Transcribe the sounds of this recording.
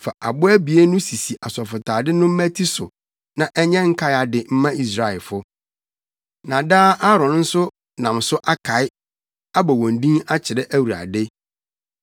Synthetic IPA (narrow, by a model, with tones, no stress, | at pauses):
fa˨ʔa˨bʊ˦æ˦bi˨e˦nʊ̃˦si˨si˨ʔa˨sɔ˨fʊ˨tʰaː˨dɪ˦nʊ̃˦m̩˦mæ˦tʰi˦sʊ˨ | nã˨ʔɛ˦ɲɛ̃˦ŋ̩˦kʰa˦a˨dɪ˨m̩˦mã˦i˦s̬ɾa˦˨ɛ˨lfʊ˦ | nã˨daː˦ʔa˦ɾɔ̃˨n˦n̩˦sʊ˦ | nã˨msʊ˦ʔa˦kʰa˨˦ɪ˦ | a˦bɔ˨wɔ̃˨ndĩ˦ŋa˦t͡ɕʰɪ˨ɾɛ˦ʔæ˦wu˨a̰˨dɪ˦